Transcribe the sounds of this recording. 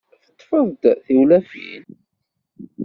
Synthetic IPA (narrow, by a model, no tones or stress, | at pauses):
θə̥t̪ˤːfəðˤd̪θiwlæfḭn